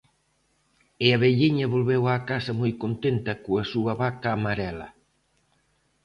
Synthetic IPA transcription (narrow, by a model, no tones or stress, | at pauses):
ɪaβeʎiɲɐβolβɛwaːkasɐmojkont̪ent̪ɐkoɐsuɐβakaːmaɾɛlɐ